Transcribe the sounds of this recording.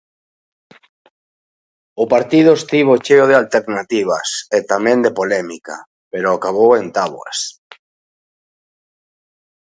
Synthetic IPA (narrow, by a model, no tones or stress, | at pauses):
ʊpaɾt̪iðʊest̪iβ̞ot͡ʃeoð̞ɪalt̪eɾnat̪iβ̞a̰set̪amɛ̃nd̪epolɛmika̰ | peɾʊakaβowent̪aβwa̰s